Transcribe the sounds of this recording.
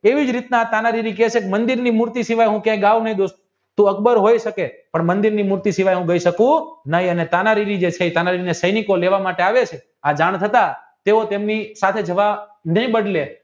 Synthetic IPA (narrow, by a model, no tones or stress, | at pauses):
eʋid͡ʒɾit̪naat̪anaɾiɾik̬ɛet͡ʃʰekmənd̪iɾnimuɾt̪isiʋajɦũkjãiɡaʋunəɦĩd̪os | t̪ũəkbəɾɦojʃəkepəɳmənd̪iɾnimuɾt̪isiʋajɦũɡəiʃəkũnəɦĩənet̪anaɾiɾid͡ʒet͡ʃʰet̪anaɾiɾinesəjnikoleʋamaʈeaʋet͡ʃʰe | ad͡ʒaɳt̪ʰət̪a | t̪eot̪emnisat̪ʰed͡ʒəʋanəɦĩbəɖle